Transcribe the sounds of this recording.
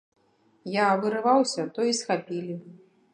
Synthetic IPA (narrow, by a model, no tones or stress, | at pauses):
javɨɾɨvawsʲɐt̪ɔisxapʲilʲi